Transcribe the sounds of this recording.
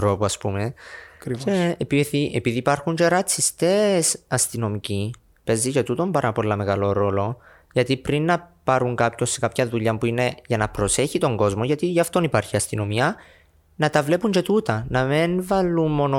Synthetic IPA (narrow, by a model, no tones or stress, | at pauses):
ɾopuɐspumekeepiθiʔepiðiːpɐɾxuɲt͡ʃe̞ɾɐt͡sːist̪e̞sɐst̪ino̞mici | pe̞zːit͡ʃe̞t̪ut̪o̞mbɐɾɐpo̞lːɐme̞ɣɐlo̞ɾo̞lo̞ | ʝɐt̪ipɾinːɐpɐɾuŋkapço̞sːekapçɐðuʎːɐmpuine̞ʝɐnɐpɾo̞se̞çit̪o̞ŋɡo̞zmo̞ʝɐt̪iʝɐft̪o̞nipaɾçiɐst̪ino̞miɐ | nɐt̪ɐvle̞puɲt͡ʃe̞t̪ut̪ɐnɐmenvɐlːummo̞no